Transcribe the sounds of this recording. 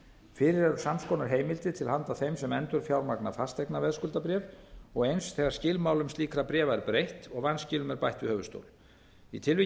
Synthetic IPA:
fɪːɾɪɾɛɾʏ̥samskʰɔːnaɾ̥ɦejmɪlt̪ɪt̪ʰɪlahant̪aθejmsɛmɛnt̪ʏɾ̥fjawɾmakna̰fast̪ɛknavɛðskʏlt̪apɾjɛːvɔɣejnsθɛːɣaɾ̥scɪlmaːwlʏmst̪liːkɾapɾjɛːvaɛɾpɾejht̪ɔɣvanscɪlʏmɛɾpajht̪vɪhœːvʏst̪o̰wl | it̪ʰɪlvɪ

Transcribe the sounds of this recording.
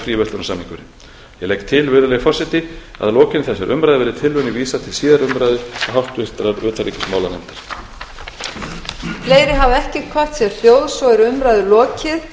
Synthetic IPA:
fɾiːvœst̪ʏnasamhiŋkʏɾɪ | jɛlɛk̚t̪ʰɪlvʏːðʏlɛɣfɔrsɪt̪ɪa̰ðlɔːcɪnɪθɛsːɛɾʔʏmɾajðɪvɛːɾɪt̪ʰɪlvʏnɪviːsat̪ʰɪlsiːðaɾʏmɾajðʏaɦawht̪ɪst̪ɾaɾœːt̪ʰaɾiːcɪ̥smaːwlanɛnt̪ḁɾ̥ | fleːjɾɪɦavɛhcɪkʰvḁt̪sjɛɾl̥joːwðsvɔɛɾʏmɾajðʏlɔːcɪð

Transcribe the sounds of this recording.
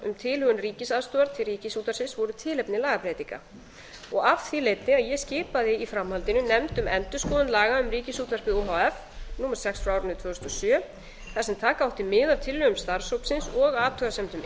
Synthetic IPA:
ʏmt̪ʰɪlhʏɣʏnriːcɪsaðst̪ʏːaɾt̪ʰɪlriːcɪsuːt̪aɾsɪnsvɔɾʏt̪ʰɪːlɛpnɪlaːɣapʰɾɛːt̪iŋka̰ | ɔɣav̥θilejt̪nɪaðjɛscɪːpaðɪifɾamhalt̪ɪnʏnɛmt̪ʏmɛnt̪ʏskɔːðʏnlaːɣaʏmriːcɪsuːt̪var̥kɪðoɦaɛf | nuːmaɾ̥sɛksfɾaaːwɾʏnʏt̪ʰvœːʏst̪ɔsjœː | θasɛmt̪ʰaːkawht̪ɪmɪːðavt̪ʰɪlːœːɣʏmst̪aɾ̥sowpsɪnsɔɣaːt̪ʰœɣasɛmt̪ʏm

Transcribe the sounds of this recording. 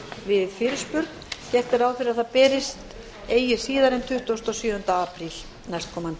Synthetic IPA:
vɪðfɪɾɪspʏɾkncɛr̥t̪ɪɾaːwfɪɾɪɾaðθaðpɛːɾɪst̪ | eːjɪ̥siːðaɾɛnt̪ʰʏht̪ast̪ɔsjʏːʏnt̪aapʰɾil | najst̪̚kʰɔːman

